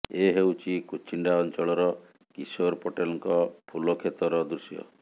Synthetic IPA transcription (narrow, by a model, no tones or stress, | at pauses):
eɦewt͡ʃʰikut͡ʃʰiɳɖaɔnt͡ʃɔɭɔɾɔ | kisoɾpʰoʈelɔŋkɔpʰulɔkʰet̪ɔɾɔd̪ɾusijɔ̰